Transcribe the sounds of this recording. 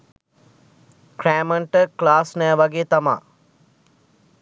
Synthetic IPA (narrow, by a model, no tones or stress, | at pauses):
kɾæːməɳʈəklaːsnɛːʋaɡeːt̪ama̰ː